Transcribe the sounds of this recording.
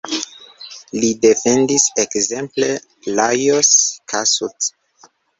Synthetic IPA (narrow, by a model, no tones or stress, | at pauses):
lide̞fe̞ndisekze̞mple | lajoskʰasut